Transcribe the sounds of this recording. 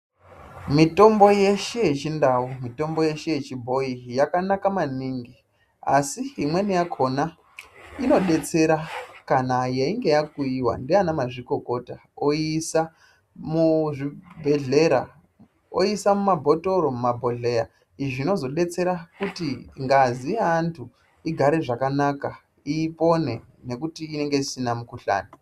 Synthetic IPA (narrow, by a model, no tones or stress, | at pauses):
mito̞mbo̞je̞ʃejet͡ʃindaumito̞mbo̞je̞ʃeje̞t͡ʃibʱo̞ijakanakamaniːŋɡi | a̰siimwe̞nijakʰona | ino̞ɗe̞t͡se̞ɾakanajaiŋɡe̞jakuiwa̰ndianamaʐiko̞ko̞ta | oisa | muʐibʱe̞ɮe̞ɾa̰ | o̰isamumabʱotoɾo̞mumabʱo̞ɮe̞ja | iʐino̞zo̞ɗe̞t͡se̞ɾakutiŋɡaziaːntʰu | iɡʱaɾe̞ʐakanaka | iːpo̞ne̞ | ne̞kutiːne̞ŋɡe̞isinamukuɬa̰ːni